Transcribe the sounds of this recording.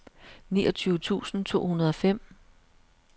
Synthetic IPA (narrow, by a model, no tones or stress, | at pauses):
nḭːɒ̽t͡sʰyːʊət͡sʰṵːsn̩t͡sʰo̝̰ːhunɐðˠɒ̽fem̰